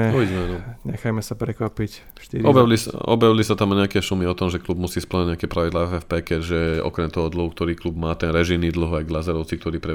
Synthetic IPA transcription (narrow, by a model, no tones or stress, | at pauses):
ɛɔiɟɛmɛanɔɲɛxajmɛsapɾɛkʋapic | ʃt̪iɾiɔbjalisaɔ̰bjaʋlisat̪amɔɲɛakɛːsumiɔt̪ɔmʒɛklub̚musiːspl̩ɲaɲɛakɛpɾaʋid̪laːɛfɛfpɛːkɛʒɛɔ̰kɾɛmt̪ɔɦɔd̪l̩ˠɦukt̪ɔɾiːklubmaːt̪ɛnɾɛʒiniːd̪l̩ɦajɡlazaɾɔʊt͡sik̚t̪ɔɾiːpɾɛ